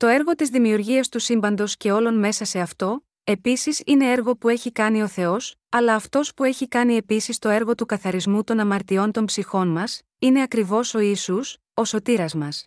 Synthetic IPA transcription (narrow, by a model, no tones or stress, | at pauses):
t̪o̞e̞ɾɣo̞t̪izðimiuɾʝiɐst̪usimbɐnd̪o̞sce̞o̞lo̞nme̞sɐse̞ɐft̪o̞ | e̞pisisine̞e̞ɾɣo̞pue̞çikɐnio̞θe̞o̞s | ɐlɐːft̪o̞spue̞çikɐnie̞pisist̪o̞e̞ɾɣo̞t̪ukɐθɐɾizmut̪o̞nɐmɐɾt̪io̞nt̪o̞mpsixo̞nmɐs | ine̞ɐkɾivo̞so̞isus | o̞so̞t̪iɾɐzmɐs